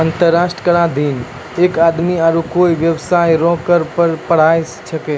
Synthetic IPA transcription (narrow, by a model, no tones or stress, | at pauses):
ənt̪əɾːaːʃʈəkəɽãd̪iːn | ekaːd̪miaːɾukoːiʋjəwsaːjɾɔ̃kəɾpəɾpəɽ̤aːessəkeː